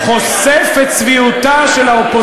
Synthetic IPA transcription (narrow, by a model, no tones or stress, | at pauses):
χosefett͡sviut̪aʃelaopo